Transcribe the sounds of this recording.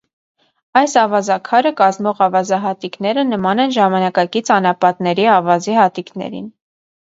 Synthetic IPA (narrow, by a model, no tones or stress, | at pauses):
ɑjsɑvɑzɑkʰɑɾəkɑzmɔʁɑvɑzɑɦɑt̪iknɛɾənəmɑnɛnʒɑmɑnɑkɑkit͡sɑnɑpɑt̪nɛɾiɑvɑzihɑt̪iknɛ̰ɾḭn